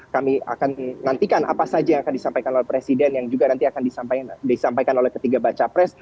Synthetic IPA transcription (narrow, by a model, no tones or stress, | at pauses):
kamia̰kanːant̪ikanʔa̰pasad͡ʒajaŋakandisampajkanolɛhpɾesidɛnjaŋd͡ʒuɡanant̪iakandisampadisampajkanolɛhkət̪iɡabat͡ʃapɾɛs